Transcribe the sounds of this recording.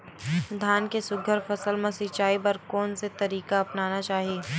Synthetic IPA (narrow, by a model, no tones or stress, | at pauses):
d̪ʱaːnkesʊɡʱəɾfɐsəlmɐ̃sɪt͡ʃaːipɐɾkɔːnset̪ɐɾiːkaɐpnaːnat͡ʃaːɦieː